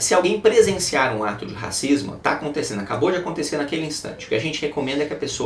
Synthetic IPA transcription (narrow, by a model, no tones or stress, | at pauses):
sɪawɡẽj̃pɾezẽsiaɾũat̪ʊd͡ʒɪɦa̰sizmʊ̰t̪a̰ːkõnt̪esẽnd̪ʊakabod͡ʒɪakõnt̪eseɾnakelɪĩst̪ɐ̰̃t͡ʃɪʊkɪaʒẽnt͡ʃɪhekõmẽnd̪ɐkɪɐpeso